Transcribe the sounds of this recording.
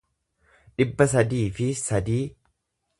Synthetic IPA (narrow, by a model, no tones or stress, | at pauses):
ᶑɪbːɐs̬ɐd̪iːfɪsɐd̪iː